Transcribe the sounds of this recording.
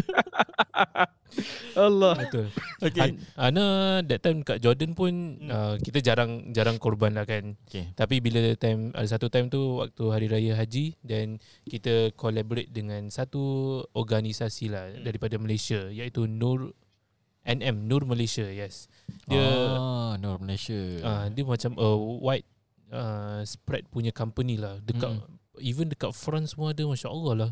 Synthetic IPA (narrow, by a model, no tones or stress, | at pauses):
alːɔbət̪ʊlokaanadɛt̪ːajmkaʔd͡ʒɔrdənpʊnəkit̪əd͡ʒaɾaŋd͡ʒaɾaŋkɔrbanlahkant̪apibilət̪ajma̰das̬at̪ut̪ajmt̪uwa̰k̚t̪uɦaɾiɾajaɦad͡ʒidɛn | kit̪əkolaboɾet̪̚dəŋãnsat̪uɔɡanisasilahdaɾipadaməlesiajait̪unur | ʔɛnɛmnurməlesajɛs | diə | nurməleʃaadəmat͡ʃamʔəwajt̪̚ | əspɾɛt̪̚puɲakampənilahdəkaʔivəndəkaʔ̚fɾɔnsəmuaːdəmaʃaʔəlɔhlah